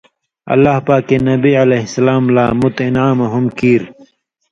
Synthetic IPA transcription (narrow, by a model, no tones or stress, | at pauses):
ɐ̰lːaːhpaːkenɐbiɐleɦsɐlaːmlaːmut̪inaːmɐɦumkiːɾ